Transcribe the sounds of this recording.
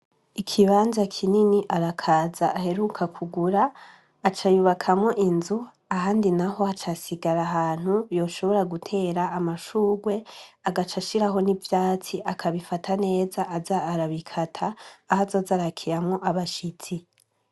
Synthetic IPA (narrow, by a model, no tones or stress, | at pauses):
ikʰiβaːnzakʰininiʔaɾakʰaːzaʔːhe̞ɾukʰakʰuɡuɾaː | t͡ʃajuβakʰamŋo̞ʔinzu | aɦaːndinaho̞at͡ʃasiɡaɾaɦaːn̥hujo̞ːʃo̞βo̞ɾaɡutʰe̞ːɾaːmaʃuːɡwe̞aɡat͡ʃaʃiɾaɦo̞nivjaːt͡siʔakʰaβifatʰane̞ːzaʔːzaːɾaβikʰatʰaːhazozaɾakʰiɾamŋo̞ʔaβaʃit͡si